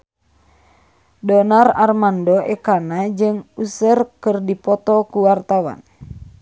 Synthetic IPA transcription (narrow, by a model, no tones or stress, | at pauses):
dɔnararmandɔɛkanad͡ʒɨŋusərkɨrdipɔt̪ɔkuwart̪awa̰n